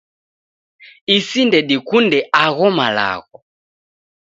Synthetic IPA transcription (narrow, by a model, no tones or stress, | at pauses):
isindɛɗikundɛʔaɣɔmala̰ɣɔ